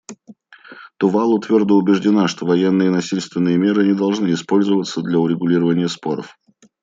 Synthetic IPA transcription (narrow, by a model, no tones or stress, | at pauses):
t̪ʊvalˠʊt̪vʲord̪əʊbʲɪʐdʲɪnaʂt̪ovɐjenːɨjənɐsʲilʲst̪vʲɪnːɨjəmʲe̞ɾɨnʲɪd̪ɐlˠʐnɨɪspo̞lʲzəvət̪səd̪lʲɐʊɾʲɪɡʊlʲiɾəvənʲɪjəspo̞ɾə̰f